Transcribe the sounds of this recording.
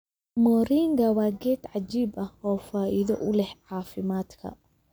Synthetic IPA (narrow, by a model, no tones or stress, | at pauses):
mɔːɾiːŋɡɐwaːɡɛːt̪ʕad͡ʒiːbɐhɔːfaːʔɪðɔʔʊlɛhʕaːfɪmaːd̪kʰɐ̰